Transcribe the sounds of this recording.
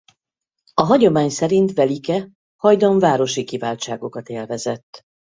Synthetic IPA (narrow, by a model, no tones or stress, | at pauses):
ɒɦɒɟo̞maːɲsɛɾint̪ʋɛlikɛ | hɒjd̪o̞ɱvaːɾo̞ʃikivaːlt͡ʃaːɡo̞kɒt̪eːlvɛzɛt̪ː